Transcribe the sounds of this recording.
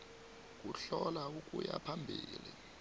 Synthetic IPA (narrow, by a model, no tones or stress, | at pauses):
k̬ʼuɬɔlaukʼujapʰambʱiːli